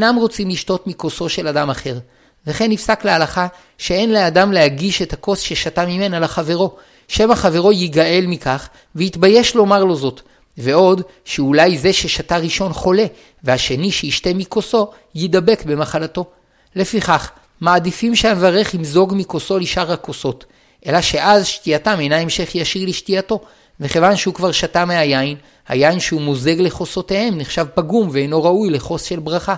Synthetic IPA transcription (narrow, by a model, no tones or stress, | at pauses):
enamʁo̞t͡simliʃto̞tmiko̞so̞ʃe̞ladamaχe̞ʁ | veχe̞nːifsaklealaχa | ʃee̞nleadamlehaɡiʃe̞thako̞sʃeʃatamime̞nalaχave̞ʁo̞ | ʃe̞maχave̞ʁo̞jiɡaʔe̞lmikaχ | veit̪baje̞ʃlo̞maʁlo̞zo̞t | ve̞o̞d | ʃeulajze̞ʃe̞ʃataʁiʃo̞nχo̞le̞ | vehaʃe̞niʃeiʃte̞miko̞so̞ | jid̪abe̞kbe̞maχalato̞ | le̞fiχaχ | maːdifimʃeamevaʁe̞χimzo̞ɡmiko̞so̞liʃaʁhako̞so̞t | ʔe̞laʃe̞ʔazʃtiatamejnae̞mʃe̞χjaʃiʁliʃtiato̞ | veχevanʃeukvaʁʃatameajain | ha̰jainʃeumoze̞ɡle̞χo̞so̞te̞he̞mniχʃavpaɡumveejno̞ʁaujle̞χo̞sʃe̞lbʁaχa